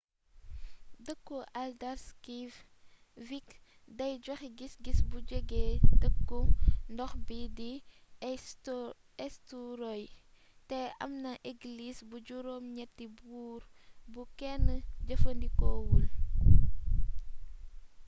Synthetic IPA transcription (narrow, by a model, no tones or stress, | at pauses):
dəkːuʔɐldɐɾskif | vik | dɐjɟɔxɡisɡisbud͡ʒəɡeːdəkːundɔxbidi | ɛstuɾɔj | tɛʔɐ̰mnɐʔiɡlisbud͡ʒuɾomɲɛt̚ːibuːr | bukɛnːəd͡ʒəfəndikɔwul